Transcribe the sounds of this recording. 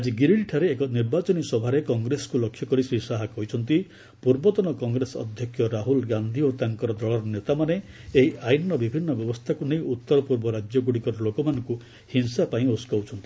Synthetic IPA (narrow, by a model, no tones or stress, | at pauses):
ad͡ʒiɡiɾiɭʈʰaɾeːkɔniɾbat͡ʃɔnisɔbʱaɾekɔŋɡɾesɔ̥kulɔkʰːjɔkɔɾisisaɦakɔɦit͡ʃʰɔnt̪i | puɾbɔt̪ɔnɔkɔŋɡɾesɔ̰d̪ʱjɔkʰjɔɾaɦulɡand̪ʱiot̪aŋkɔɾɔd̪ɔɭɔɾɔnet̪amane | eɦiʔajinːɔbibʱinːɔbjɔbɔst̪ʰakunej̃ut̪ːɔɾɔpuɾbɔɾad͡ʒjɔɡuɽikɔɾɔlokɔmanɔŋku | hinsapaĩoskawt͡ʃʰɔnt̪i̥